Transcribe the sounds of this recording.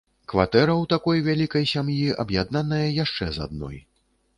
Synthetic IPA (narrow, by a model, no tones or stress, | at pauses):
kvat̪ɛɾɐwt̪akɔjvʲalʲikɐjsʲamjiʔɐbjad̪nanɐjɐjaʂt͡ʂɛza̰d̪̚nɔ̰j